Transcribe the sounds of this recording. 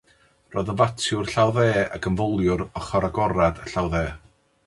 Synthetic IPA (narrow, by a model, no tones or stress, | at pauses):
rɔːðənvatʰjʊrɬawðɛːa̰ɡənvɔlˠjʊɾɔχɔɾaɡɔɾadəɬawðɛː